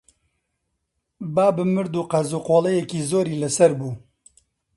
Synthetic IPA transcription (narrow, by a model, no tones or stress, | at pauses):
baːbɨmɨɾd̪uːqɐzuːqoːlˠɐjɛkiːzoːɾiːlɐsɐɾbuː